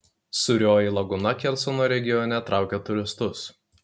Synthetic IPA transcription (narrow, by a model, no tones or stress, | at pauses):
sʊɾʲoːjiˑlˠɐɡʊnɐkʲɛlʲsɔnoːɾʲɛɡʲɪjɔnʲɛt̪ɾɑˑʊkʲɛt̪ʊɾʲɪst̪ʊs